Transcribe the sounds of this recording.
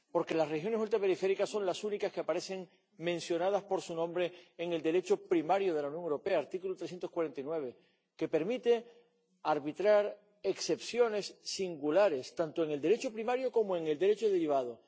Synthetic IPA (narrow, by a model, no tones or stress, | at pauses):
po̞ɾke̞lasrexjo̞nesult̪ɾape̞ɾife̞ɾikasːo̞ŋlasunikaske̞apaɾe̞se̞ŋ | mẽ̞nsjo̞nað̞aspo̞ɾsunõmbɾe̞ːŋe̞ld̪e̞ɾe̞t͡ʃopɾimaɾjoð̞e̞launjoŋewɾope̞aːɾt̪ikulut̪ɾesje̞nt̪o̞skwaɾe̞nt̪aijnwe̞βe | ke̞pe̞ɾmit̪e̞ | aɾβit̪ɾaɾ | ekse̞psjo̞ne̞sːiŋɡulaɾe̞st̪ant̪oe̞ŋe̞ld̪eɾe̞t͡ʃopɾimaɾjoko̞moe̞ŋe̞ld̪e̞ɾe̞t͡ʃoðe̞ɾiβ̞aðo